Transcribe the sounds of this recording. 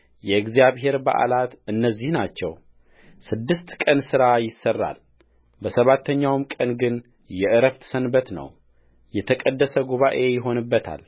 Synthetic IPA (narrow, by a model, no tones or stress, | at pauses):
jɛɨɡzijaβɦe̞ɾba̰ʔa̰lat̪ɨnːəzːihnat͡ʃːɛw | sɨd̪ːɨst̪kʼənsɨɾajɪsːərːa̰l | bəsəβat̪ʰːəɲːawmkʼənɡɨn | jɛʔɨɾəft̪ʰsənbət̪nə̰w | jɛt̪ʰəkʼəd̪ːəsəɡuβaʔe̞jɪɦo̞nɨbːət̪ʰa̰l